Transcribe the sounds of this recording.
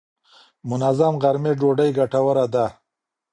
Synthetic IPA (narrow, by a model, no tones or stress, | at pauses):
mʊnazamɣaɾmeɖoɖəjɡaʈawəɾad̪a